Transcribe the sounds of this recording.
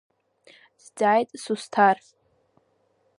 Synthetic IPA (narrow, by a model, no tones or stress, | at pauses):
zd͡zajtʼsustʰar